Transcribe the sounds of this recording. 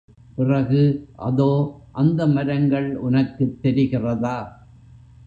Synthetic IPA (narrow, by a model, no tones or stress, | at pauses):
pɪrɐɣɯʔɐ̰ðoːʔɐnd̪ɐmɐɾɐŋɡɐɭʊnɐkːɯt̪ːɛɾɪɣɪrɐðaː